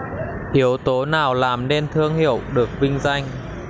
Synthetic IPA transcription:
ʔi˨˦əwt̪o˨˦naː˨˩wlaː˨˩mne˧nt̪ʰɨ˧əŋhi˧˨əwɗɨ˨˩ək̚vï˧ŋ̟za˧jŋ̟

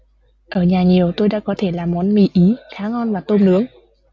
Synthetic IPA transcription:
ʔəː˧˩ɲaː˨˩ɲi˨˩əwt̪o˧jɗa̰ː˧˥kɔ˨˦t̪ʰe˧˩laː˨˩mɔ˨˦nmḭ˧˩ʔi˨˦xaː˨˦ŋɔ˧nvaː˨˩t̪o˧mnɨ˨˦əŋ

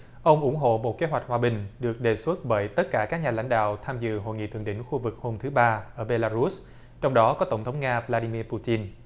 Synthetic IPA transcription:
ʔə˧wŋ͡mʔʊ˧˩ŋ͡mɦo̰˧˨mo˨˩t̚ke˨˦ɦwa˨˩jk̚hwaː˨˩ɓï˨˩ŋ̟ɗɨ˨˩ək̚ɗe˨˩swə˦˥t̚ɓəː˧˩jt̪ə˦˥t̚kaː˧˩kaː˦˥k̚ɲaː˨˩la̰˧˥jŋ̟ɗa̰ː˧˨wt̪ʰaː˧mzɨ̰˧˨ɦo̰˧˨jŋḭ˧˨t̪ʰɨ˧˨əŋɗḭ̈˧˩˨ŋ̟xu˧vɨ˨˩k̚ho˧mt̪ʰɨ˨˦ɓaː˧ʔəː˧˩ɓe˧laː˧ɾu˦˥s | t͡ɕɔ˧wŋ͡mɗɔ˨˦kɔ˨˦t̪ə˧˩wŋ͡mt̪ʰwŋ͡mŋaː˧vlaː˧ɗi˧mi˧pu˧t̪i˧n

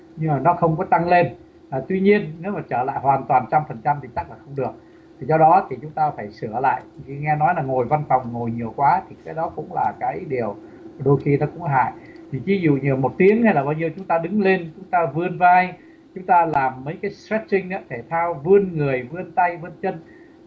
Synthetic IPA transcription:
ɲɨ˧ŋmaː˨˩nɔ˨˦xə˧wŋ͡mkɔ˨˦t̪a˧ŋle˧n | ʔt̪wi˧ɲi˧ənːe˨˦wmaː˨˩t͡ɕəː˧˩la̰ː˧˨jɦwaː˨˩nt̪waː˨˩nt͡ɕa˧mfə˨˩nt͡ɕa˧mt̪ʰi˨˩t̪a˦˥k̚laː˨˩xə˧wŋ͡mɗɨ˨˩ək̚ | t̪ʰi˨˩zɔ˧ɗɔ˨˦t̪ʰi˨˩t͡ɕʊ˨˦ŋ͡mt̪aː˧faː˧˩jsɨ˧˩əla̰ː˧˨jʔi˧˨˩ŋɛ˧nɔ˨˦jlaː˨˩ŋo˨˩jva˧nfɔ˨˩wŋ͡mŋo˨˩jɲi˨˩əwkwaː˨˦t̪ʰi˨˩kaː˨˦jɗɔ˨˦kʊ̰˧˥ŋ͡mla̰ː˨˩kaː˨˦jɗi˨˩əw | ɗo˧jxi˧nɔ˨˦kʊ̰˧˥ŋɦa̰ː˧˨j | t̪ʰi˨˩vi˨˦zṵ˧˨ɲɨ˨˩mo˨˩t̚t̪i˨˦əŋha˧jlaː˨˩ɓaː˧wɲi˧əwt͡ɕʊ˨˦ŋ͡mt̪aː˧ɗɨ˨˦ŋle˧nt͡ɕʊ˨˦ŋ͡mt̪aː˧vɨ˧ənvaː˧j | t͡ɕʊ˨˦ŋ͡mt̪aː˧laː˨˩mːə˨˦jkaː˨˦jsɾɛ˦˥t̚ï˧ŋɗɨ̰ː˧˥t̪ʰe˧˩t̪ʰaː˧wvɨ˧ənŋɨ˨˩əjvɨ˧ənt̪a˧jvɨ˧ənt͡ɕə˧n

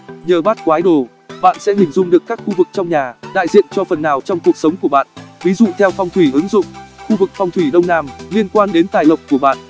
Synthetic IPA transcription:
ɲəː˨˩ɓaː˦˥t̚kwaː˨˦jɗo˨˩ | ɓa̰ː˧˨nsɛ̰˧˥hï˨˩ŋ̟zʊ˧ŋ͡mɗɨ˨˩əkːaː˦˥k̚xu˧vɨ˨˩k̚t͡ɕɔ˧wŋ͡mɲaː˨˩ɗa̰ː˧˨jzḭ˧˨ənt͡ɕɔ˧fə˨˩nːaː˨˩wt͡ɕɔ˧wŋ͡mku˨˩ək̚sə˨˦wŋ͡mku˧˩əɓa̰ː˧˨nvi˨˦zṵ˧˨t̪ʰɛ˧wfɔ˧wŋ͡mt̪ʰwi˧˩hɨ˨˦ŋzʊ̰˧˨ŋ͡mxu˧vɨ˨˩k̚fɔ˧wŋ͡mt̪ʰwi˧˩ɗə˧wŋ͡mnaː˧mli˧ənkwaː˧nɗe˨˦nt̪aː˨˩jlə˨˩wk͡p̚ku˧˩əɓa̰ː˧˨nʔ

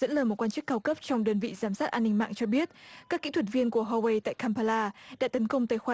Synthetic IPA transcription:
ə̰˧˥nləː˨˩mo˨˩kwaː˧nt͡ɕɨ˦˥kːaː˧wkə˦˥p̚t͡ɕɔ˧wŋ͡mɗəː˧nvḭ˧˨zaː˧˩msaː˦˥t̚ʔaː˧nːï˧ŋma̰ː˧˨ŋt͡ɕɔ˧ɓi˦˥ət̚kaː˦˥kːḭ˧˥t̪ʰwə˩t̚vi˧ənku˧˩əɦɔ˧we˧jt̪a̰ː˧˨jkʰaː˧mpaː˧laː˧ɗa̰ː˧˥t̪ə˨˦nkə˧wŋ͡mt̪aː˧˨jxwaː˧˩

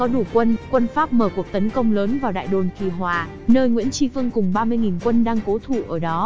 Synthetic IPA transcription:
kɔ˨˦ɗu˧˩kwə˧nkwə˧nfaː˦˥p̚məː˧˩ku˨˩ək̚t̪ə˨˦nkə˧wŋ͡mləː˨˦nvaː˨˩wɗa̰ː˧˨jɗo˨˩nki˧˩ɦwaː˨˩ | nəː˧jŋwḭ˧˥ənt͡ɕi˧fɨ˧əŋkʊ˨˩ŋ͡mɓaː˧mɨ˧əjŋi˨˩nkwə˧nɗaː˧ŋko˨˦t̪ʰu˧˩ʔəː˧˩ɗɔ˨˦

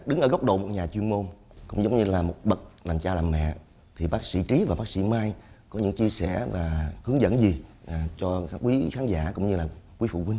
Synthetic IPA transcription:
ɗɨ˨˦ŋʔəː˧˩ɣk͡p̚ɗo̰˧˨mo˨˩t̚ɲaː˨˩t͡ɕwi˧ənmo˧n | kʊ̰˧˥ŋ͡mzə˨˦wŋ͡mɲɨ˧laː˨˩mo˨˩t̚ɓə˨˩t̚laː˨˩mt͡ɕaː˧laː˨˩mɛ̰˧˨ | t̪ʰi˨˩ɓaː˦˥k̚sḭ˧˥t͡ɕi˨˦vaː˨˩ɓaː˦˥k̚sḭ˧˥maː˧jkɔ˨˦ɲɨ̰˧˥ŋt͡ɕi˧əsɛ˧˩vaː˨˩hɨ˨˦əŋzə̰˧˥˨nzi˨˩˨t͡ɕɔ˧˦kwi˨˦xaː˨˦nza̰ː˧˥kʊ̰˧˥ŋ͡mɲɨ˧laː˨˩kwi˨˦fṵ˧˨kwi˧ŋ̟

